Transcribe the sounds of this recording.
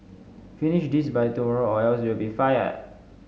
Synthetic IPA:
finiʃdisbajtumɔɹoɔjəlswilbifajə̰d̚

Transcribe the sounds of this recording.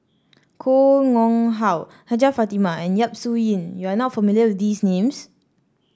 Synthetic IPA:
kʰoŋɔ̃ŋɦaw | had͡ʒafatimaɛ̃njap̚sujĩnjuanɔtfamiliəwidisnẽms

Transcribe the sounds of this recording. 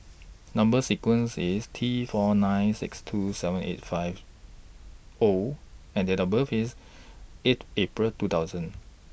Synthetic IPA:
nãmbəsikwə̃nsistʰifɔnãɪnsɪ̰kstʰusɛvə̃nḛt̚faɪv | oɛ̃ndɛdabəfis | etepɹəltutaʊzə̃n

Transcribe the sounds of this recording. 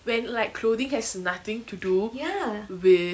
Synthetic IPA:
wɛ̃nlaɪkkʰlodĩŋhɛsnat̪ɪ̃ŋtʰudujawɪ

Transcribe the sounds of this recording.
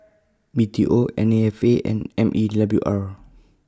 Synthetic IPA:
bitʰiʔoɛ̰̃neɛfeʔɛ̰̃nɛ̃mʔidabluʔaɹ

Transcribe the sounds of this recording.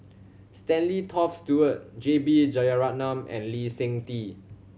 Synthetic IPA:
stɛ̃nlitʰɔfstjuət̚d͡ʒebid͡ʒɔjaɹanãmɛ̰̃nlisẽŋti

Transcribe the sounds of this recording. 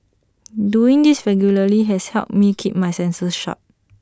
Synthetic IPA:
duĩŋdisɹɛɡjuləliɦɛshɛ̰lp̚mikʰip̚majsɛ̃nsəsʃɔ̰t̚

